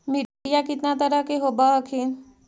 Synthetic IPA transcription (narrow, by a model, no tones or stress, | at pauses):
miɖijakit̪nat̪əɾakeɦobaəkʰin